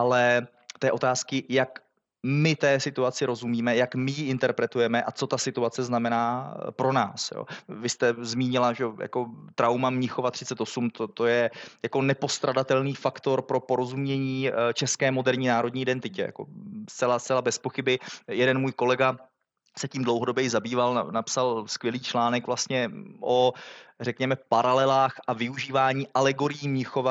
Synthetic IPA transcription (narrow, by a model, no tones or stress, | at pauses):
ʔalɛ | t̪ɛːʔot̪aːskɪjak | mɪt̪ɛːsɪt̪uat͡sɪɾo̞zumiːmɛjakmɪjɪʔɪnt̪ɛɾpɾɛt̪ujɛmɛʔat͡so̞t̪asɪt̪uat͡sɛznamɛnaːpɾo̞na̰ːsjo̰ːvɪst̪ɛzmiːɲɪlaʒɛja̰ko̞t̪ɾawmamɲɪxo̞vat̪r̥ɪt͡sɛt̪o̞sumt̪ot̪o̞jɛjako̞nɛpo̞st̪ɾadat̪ɛlniːfakt̪o̞ɾpɾo̞po̞ɾo̞zumɲɛɲiːt͡ʃɛskɛːmo̞dɛɾɲiːnaːɾo̞d̚ɲiːʔɪdɛnt̪ɪcɛ̰ja̰ko̞̰st̪t͡sɛlast͡sɛlabɛspo̞xɪbɪjɛdɛnmuːjko̞lɛɡa | sɛciːmdlowɦo̞do̞bjɛjɪzabiːval̰napsalskvjɛliːt͡ʃlaːnɛkvlast̪ɲɛʔorɛkɲɛmɛpaɾalɛlaːxʔavɪuʒiːvaːɲiːʔalɛɡo̞ɾɪjiːmɲɪxo̞va